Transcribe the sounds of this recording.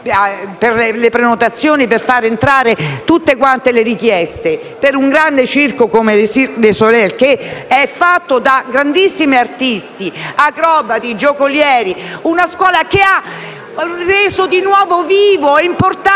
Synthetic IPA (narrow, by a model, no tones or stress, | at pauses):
perlepɾenot̪at̪sːjoːniperfaɾent̪ɾaːɾet̪ut̪ːekwant̪eleɾikjɛst̪e | peɾuŋɡɾand̪et͡ʃirkokomelsilesolɛlkeɛfːat̪ːod̪aɡɾand̪isːimiart̪ist̪iakɾɔːbat̪id͡ʒokoljɛːɾiunaskwɔːlakea | reːzod̪inwɔːvoviːvoeimport̪a